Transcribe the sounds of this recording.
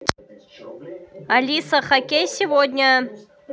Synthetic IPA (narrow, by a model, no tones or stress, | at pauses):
ɐlʲisɐχɐkʲejsʲivod̪ʲnʲɐ